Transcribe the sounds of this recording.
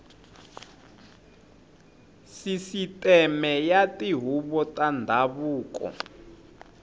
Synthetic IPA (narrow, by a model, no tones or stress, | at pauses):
sisitʼɛmɛjatiɦuβɔtʼandʱaβuːkɔ̰